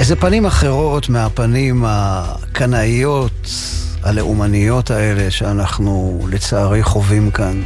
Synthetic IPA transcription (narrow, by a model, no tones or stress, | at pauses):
ezepanimaχe̞ʁo̞tmeapanima | kʰanaijo̞t | aleʔumanijo̞tae̞le̞ʃeanaχnulet͡saːʁiχo̞vimkan